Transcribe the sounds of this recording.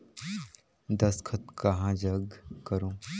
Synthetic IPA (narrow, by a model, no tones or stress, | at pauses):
d̪ɐskʰɐt̪̚kɐɦãːd͡ʒɐɡkɐɾũː